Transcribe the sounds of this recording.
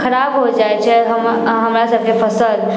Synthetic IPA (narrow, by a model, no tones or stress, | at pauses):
xʰəɾaːbɦod͡ʒaet͡ʃʰeɦəm | ɦəmɾasəb̚kefəsəl